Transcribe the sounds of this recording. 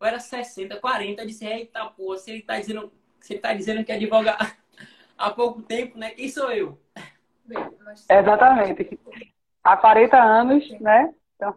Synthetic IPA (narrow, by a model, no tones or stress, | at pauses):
oɛɾɐsɛsẽnt̪ɐkwaɾẽnt̪ɐed͡ʒisɪhejt̪awpohɐsɪelɪt̪ad͡ʒizẽnd̪ʊ̃ | selɪt̪ad͡ʒizẽnd̪ʊkɪɛd͡ʒivɔɡɐ | apowkʊt̪ẽpʊnɛʔisoew | ezat̪ɐmẽt̪ɪk | akwaɾẽnt̪ɐɐ̃nʊsnɛẽt̪ɐ̃w̃